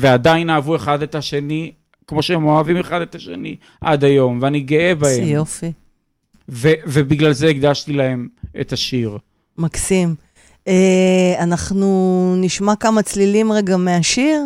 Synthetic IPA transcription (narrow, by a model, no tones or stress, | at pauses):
vead̪ainaːvue̞χad̪et̪aʃe̞ni | kmoʃeemoavimeχad̪et̪aʃe̞̰ni | ʔa̰d̪ajo̞mveaniɡeebahemjmofi | vevebiɡlalzeiɡd̪aʃt̪ilahe̞mʔḛt̪aʃiʁ | maksim | eanaχnuniʃmakamat͡slilimʁeɡameaʃiʁ